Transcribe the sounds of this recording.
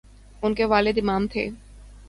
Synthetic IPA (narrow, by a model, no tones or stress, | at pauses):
unkeʋalid̪imamt̪ʰḛ